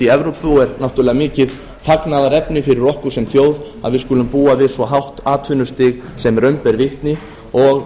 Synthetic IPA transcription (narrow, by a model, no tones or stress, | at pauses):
iɛvɾowpfuɛɾnaw̥t̪ʏɾlɛɣamɪːcɪð | θaknaðaɾɛpnɪfɪɾɪɾɔhkʏsɛmθjoːwðaðvɪðskʏːlʏmpuːavɪðsvɔɦawht̪aːt̪ʰʏnʏst̪ɪɣsɛmɾœɥmpɛɾvɪht̪nɪ | ɔɣ